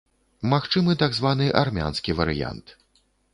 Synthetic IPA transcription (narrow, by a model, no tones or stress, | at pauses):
maxt͡ʂɨmɨt̪aɡzvanɨʔarmʲa̰nskʲivɐɾɨja̰nt̪